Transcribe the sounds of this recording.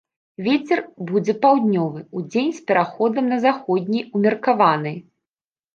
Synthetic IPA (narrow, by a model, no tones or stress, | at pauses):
vʲet͡sʲɛrbud͡zʲɛpawd̪ʲnʲɔvɨud͡zʲenʲspʲɛɾaxɔd̪ɐmnɐzaxɔd̪ʲnʲijumʲɛrkavanɨj